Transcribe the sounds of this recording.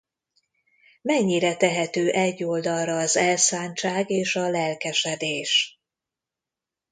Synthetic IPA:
mɛɲːiɾɛt̪ɛɦɛt̪øːʔɛɟːo̞ld̪ɒlrɒːzɛlsaːɲt͡ʃaːɡeːʃɒlɛlkɛʃɛd̪eːʃ

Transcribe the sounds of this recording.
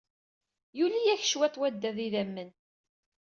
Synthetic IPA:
julijæç̥ʃwæt̪ˤwæd̪ːæðiðæmːən

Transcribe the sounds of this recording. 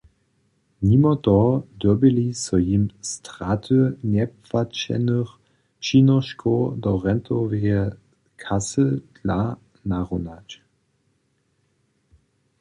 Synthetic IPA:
mimɔtɔd̪ɔbɪlisɔjimstʁat̪ʰənɛpfat͡ɕɛ̰nəx | t͡ʃinɔʃkʰod̪ɔʁɛnt̪ʰɔvɛɛ | kʰasəd̥la | naʁunat͡ɕ

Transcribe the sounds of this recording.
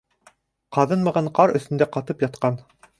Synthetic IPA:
qɑðɤnmɑ̆ʁɑɴqɑɾɵ̆θt̪ɵ̆nd̪æqɑt̪ɤpjɑt̪̚qɑn

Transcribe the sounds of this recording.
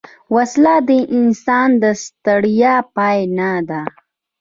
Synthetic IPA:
waslad̪əʔɪnsɑnd̪əst̪aɽjɑpɑjnad̪a

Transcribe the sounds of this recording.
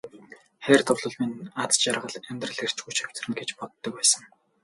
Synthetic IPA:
χæːrt̪ʰʊwɮʊ̆ɮminat͡st͡ɕarʁə̆ɮæmʲt̪rə̆ɮer̥t͡ɕɡujt͡ɕʰœ̥w̥ʲt͡s̆rɘ̆nɡet͡ɕpɔt̪ːɞ̆k̚pæːsə̆ŋ

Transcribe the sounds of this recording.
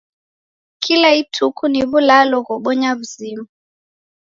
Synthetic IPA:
kʰilaitʰukʰuniβulalɔɣɔɓɔɲaβuzimu

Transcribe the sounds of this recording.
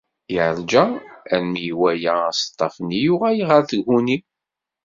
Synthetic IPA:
jiʕɾd͡ʒææɾmijwæjææst̪ˤːɑfənijuʁæjiʁəɾθəɡhuni

